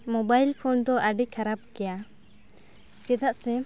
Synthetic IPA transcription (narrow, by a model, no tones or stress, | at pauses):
mɔbajlpʰɔnd̪ɔʔəɖikʰaɾab̚kɛja | d͡ʒɛd̪aʔsɛ